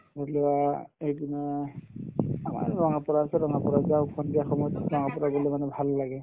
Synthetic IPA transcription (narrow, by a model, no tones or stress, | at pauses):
dɔliwaejbinɛ | ama̰ɹɹɔŋapɔɹaːsɛɹɔŋapɔɹazaʊkʰɔndijaxɔmɔjɔtɹɔŋapɔɹaɡolɛmanɛbʱalːaɡɛ